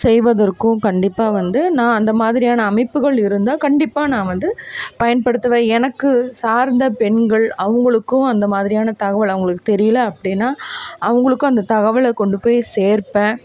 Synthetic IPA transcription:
sɛjʋɐðɐɾkːʊ̃kɐɳɖɪpːaːʋɐnd̪ɯnãːɐnd̪ɐmaːðɪɾɪjaːnɐːmɐɪpːɯɣɐɭɪɾɯnd̪aːkɐɳɖɪpːaːnãːʋɐnd̪ɯpɐjɐnpɐɽɯt̪ːɐʋẽːɛnɐkːɯsaːɾnd̪ɐpɛɳɡɐɭɐʋɐŋɡɐɭɯkːʊ̃ɐnd̪ɐmaːðɪɾɪjaːnɐt̪ɐɣɐʋɐɭɐʋɐŋɡɐɭɯkːɯ̥t̪ɛɾɪjɐlɐɐpːɐɽɪnːaːɐʋɐŋɡɐɭɯkːʊ̃ɐnd̪ɐt̪ɐɣɐʋɐɭkɔɳɖɯpoːjseːɾpːẽː

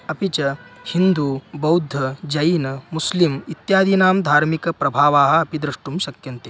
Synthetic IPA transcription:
ɐpit͡ʃɐhind̪uːbɐwd̪ʱɐd͡ʒɐjinɐmuslimit̪jaːd̪ʱinaːmd̪ʱaːɾmikɐpɾɐbʱaːʋaːɦɐ̆ɐpid̪ɾiʂʈumʃɐkjɐnt̪e

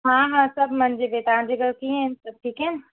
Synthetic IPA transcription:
ɦãːɦãsɐbmɐnd͡ʒebet̪ãːd͡ʒeɡəɾkiɦẽsɐb̚ʈʰiːkeːn

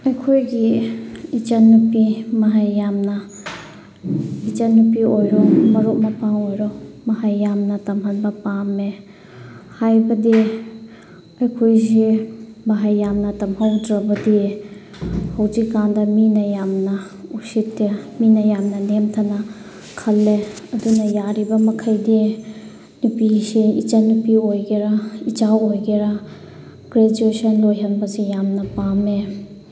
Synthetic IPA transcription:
ɐjkʰojɡiit͡ʃanːupimaɦajːamna | it͡ʃanːupiojɾɔmɐɾɔʔmapaŋojɾɔmɐɦajːamnatɐmɦanbapamːe | hajbɐdi | ɐjkʰojzimaɦajːamnatɐmɦawdɾabɐdi | hɐwzikːandɐminɐjamnɐ | usitːeminɐjamnɐnemtʰɐnɐ | kʰɐlːeɐdunɐjaɾibɐmɐkʰɐjdi | nupisiḭt͡ʃanupiojɡeɾɐit͡ʃawojɡeɾɐ | ɡ̥ɾed͡ʒuesɐnlojɦɐnbɐzijamnɐpame

